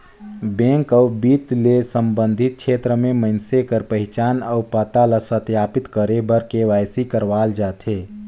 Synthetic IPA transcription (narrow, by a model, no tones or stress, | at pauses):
bẽːŋkəʊbiːt̪lesə̃mbə̃nd̪ʱɪt̪̚kʃʰeːt̪ɾəmẽməɪnsekəɾpəɦɪt͡ʃaːnəʊpət̪aləsət̪jaːpɪt̪kəɾebəɾkeʋaːjsikəɾʋaːld͡ʒaːt̪ʰɦeː